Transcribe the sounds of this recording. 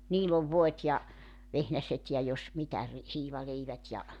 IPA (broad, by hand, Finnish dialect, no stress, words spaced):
niːlː oʋ ʋoet jɑ ʋehnæset jɑ jos mitæ ri hiːʋɑleiʋæt jɑ